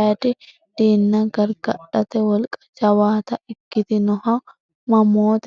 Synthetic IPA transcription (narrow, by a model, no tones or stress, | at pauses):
ɐt̪ɪ | d̪̥iːnːɐɡɐɾɡɐɗɐt̪ɛwɐlkʼɐ̥d͡ʒɐwaːt̪ɐɪkːɪt̪ɪnɔhɐ | mɐmoːt̪